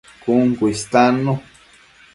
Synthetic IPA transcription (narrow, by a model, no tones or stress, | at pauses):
kuŋkuist̪ano